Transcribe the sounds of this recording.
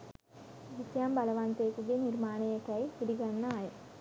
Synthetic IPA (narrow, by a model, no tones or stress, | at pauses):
ʋisjaːmbɐlɐʋaːnt̪eːkːuɡeniɾmaːɳɐjɐkːɐjpiɽiɡɐnːɐaːji